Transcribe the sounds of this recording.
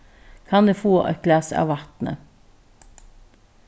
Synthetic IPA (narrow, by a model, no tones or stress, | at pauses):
kʰɑnd̪eːfoːʔɑ̰ɡlæsɑ̰ːʋɑt̪nə̰